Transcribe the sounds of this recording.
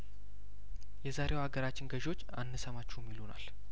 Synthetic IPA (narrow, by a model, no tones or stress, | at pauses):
jɛzaɾe̞waɡəɾat͡ʃːɪnɡəʒo̞t͡ʃːanːɨsəmat͡ʃːumːilona̰l